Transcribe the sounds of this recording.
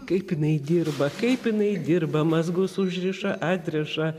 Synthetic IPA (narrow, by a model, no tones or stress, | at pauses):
kɐɪpɪnɐɪd̪ʲɪrbɐkɐɪpɪnɐɪd̪ʲɪrbɐmɐzɡʊsʊʒʲɾʲɪʃɐʔɑːd̪ʲɾʲɛʃɐ